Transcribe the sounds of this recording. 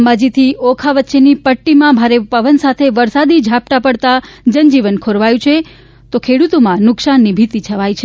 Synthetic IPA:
mbad͡ʒit̪ʰiʔokʰaʋətːʃenipəʈːimãbʱaɾepəʋənsat̪ʰeʋəɾsad̪id͡ʒʱap̚ʈ̪apəɽt̪ad͡ʒənd͡ʒiʋənkʰoɾʋajũt͡ʃʰe | t̪okʰeɽut̪omãnʊksanːibʱit̪it͡ʃʰəʋajt͡ʃʰe

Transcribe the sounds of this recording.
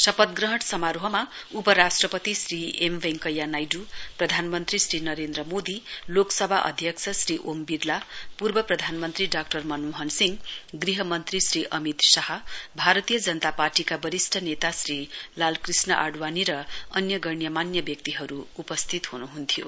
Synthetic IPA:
sʌpʌt̪̚ɡrʌɦʌʈsʌmaɾɦʌmaupʌɾasʈrʌpʌt̪isriemʋeŋkʌjːanajɖuprʌd̪ʱanmʌnt̪risɾinʌɾend̪ɾʌmod̪iloksʌbʱaʔʌ̰d̪ʱjʌksʰʌsriʔombiɾlapurbʌprʌd̪ʱanmʌnt̪riɖak̚ʈʌrmʌnuɦʌnsiŋɡɡriɦʌmʌnt̪risriʔʌmit̪sʌhʌbʱaɾʌt̪ijʌd͡zʌnʌt̪aparʈikabʌɾisʈʰʌnet̪asrilalkrisnʌʔa̰ɖwaniɾʌʌnjʌɡʌɳjʌmanjʌbjʌk̚t̪iɦʌɾuːpʌst̪ʰit̪ɦunuɦunt̪ʰijo

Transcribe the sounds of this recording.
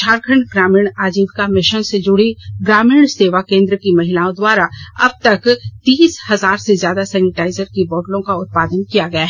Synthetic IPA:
ʃaːɾkʰəɳɡɾaːmiːɽ̃aːd͡ʒiːbkamɪʃənsed͡ʒʊɽiɡɾaːmiːɳseːʋakẽːnd̪ɾəkimɐɦɪlaːõd̪waːɾaɐ̰b̚t̪ɐkt̪iːshɐzaːɾsezjaːd̪asɛːnɪʈaːɪzəɾkibɔːɖlõkaʊt̪̚paːd̪ənkijaɡɐjaːɦɛ

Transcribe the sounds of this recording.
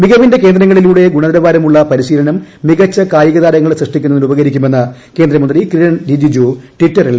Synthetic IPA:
miɣɐʋinde̞ke̞ːnd̪ɾɐŋːɐɭiluːɽe̞ɡuɳɐðɐɾɐbaːɾɐmuɭːɐpɐɾiɕiːlɐnɐmːiɣɐt͡ɕːɐkaːjiɣɐðaːɾɐŋːɐɭsrɐʂʈikʲːunːɐnːiubɐɣɐɾikʲːume̞nːɐke̞ːnd̪rɐmɐnd̪rikrijɐɳdid͡ʑid͡ʑoʈiʈːɐril

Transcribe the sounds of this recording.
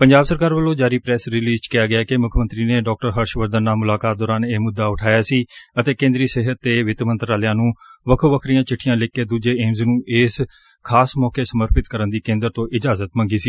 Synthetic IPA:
pəɲd͡ʒaːbsəɾkaːɾʋəlõːd͡ʒaːɾiːpɾɛːsɾɪliːzt͡ʃkɪjaːɡɪjaːkemʊkʰmənt̪ɾiːneːɖɔːk̚ʈəɾɦəɾʃʋəɾd̪ənːaːmʊlaːkaːt̪̚d̪ɔːɾaːneːmʊd̪ːaːʊʈʰaːjaːsiːət̪eːkẽːnd̪ɾiːseːɦət̪ːeːʋɪt̪mə̃nt̪ɾaːlɪjãːnũːʋəkʰoːʋəkʰɾiːãːt͡ʃɪʈʰːijãːleːkːeːd̪uːd͡ʒeːeːmznũːʔeːs | kʰaːsmɔːkeːsəməɾpɪt̪kəɾənd̪iːkẽːnd̪əɾt̪õːʔɪd͡ʒaːzət̪mə̃ŋɡiːsiː

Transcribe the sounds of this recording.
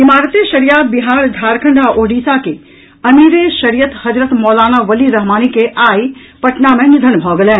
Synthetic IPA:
ɪmaːɾət̪eʃɐɾijaːbɪɦaːɾd̪ʱaːɾkʰə̃ɳɖʱaʔoːɖiːsake | ɐmiːɾeʃɐɾijət̪hɐd͡ʒɾət̪mɔːlaːnaʋɐliɾɐɦmaːnikeʔaːi | pɐʈnamẽnɪd̪ʱənbʱɔːɡəlẽː

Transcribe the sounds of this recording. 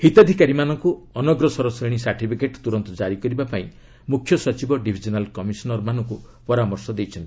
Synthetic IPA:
hit̪ɔd̪ʱikaɾimanɔŋku | ɔnɔɡɾɔsɔɾɔsiɽ̃isaɾʈipʰikeʈt̪uɾɔnt̪ɔd͡ʒaɾikɔɾibapaĩ | mukʰːjɔsɔt͡ʃibɔɖibʱid͡ʒɔnalkɔmisɔnɔɾmanɔŋku | pɔɾamɔɾsɔd̪ejt͡ʃʰɔnt̪i̥

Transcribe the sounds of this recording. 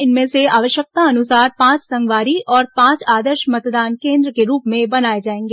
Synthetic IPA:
ɪnmẽseaːʋəʃjək̚t̪aɐnʊsaːɾpãːt͡ʃsɐ̃ŋɡʋaːɾiɔːɾpãːt͡ʃaːd̪əɾʃmɐt̪d̪aːnkẽːnd̪ɾəkeɾuːpmẽbɐnaːed͡ʒaːẽːŋɡe

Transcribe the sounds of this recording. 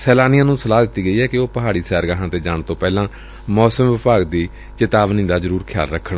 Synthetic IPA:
sɛːlaːnɪjãːnũːsəlaːd̪ɪt̪ːiːɡəiːɛːkɪoːpəɦaːɽiːsɛːɾɡaːɦãːt̪eːd͡ʒaːɳt̪õːpɛːlãː | mɔːsəmʋɪpaːɡd̪iː | t͡ʃɪt̪aːʋniːd̪aːzəɾuːɾkʰɪja̰ːlɾəkʰːəɳ

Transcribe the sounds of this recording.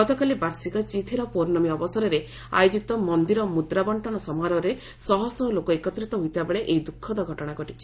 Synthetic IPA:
ɡɔt̪ɔkalibaɾsikɔt͡ʃit̪ʰiɾɔpoɾnɔmiɔbɔsɔɾɔɾe | a̰jod͡ʒit̪ɔmɔnd̪iɾɔmud̪ɾabɔɳʈɔñɔsɔmaɾɔɾe | sɔɦɔsɔlokɔekɔt̪ːɾit̪ɔɦujt̪ʰibabeɭeʔejd̪ukʰːɔd̪ɔɡʱɔʈɔɽ̃aɡɔʈit͡ʃʰi̥

